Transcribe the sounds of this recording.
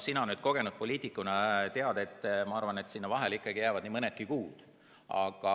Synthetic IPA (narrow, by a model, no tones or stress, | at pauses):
sinɑonyːd̪̥̚ko̞ɡ̥e̞nud̪̥̚po̞lʲiːt̪ˑikːunɑt̪eɑd̪̥e̞t̪ːˑmɑɑrvɑne̞t̪sinːɑvɑɦelikːˑɑɡijæːvɑd̪̥nimɤnet̪̚kikuːd̪̥ | ɑ̰ɡ̥ɑ